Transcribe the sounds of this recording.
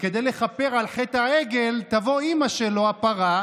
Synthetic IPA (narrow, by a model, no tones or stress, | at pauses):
ke̞d̪ejle̞χape̞ʁalχet̪haeɡe̞lt̪avo̞imaʃelo̞apaʁa